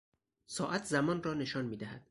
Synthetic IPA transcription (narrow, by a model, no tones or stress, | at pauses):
sɒːʔæt̪ʰzæmɒːnrɒːne̞ʃɒːnmiːd̪æhæd̪̥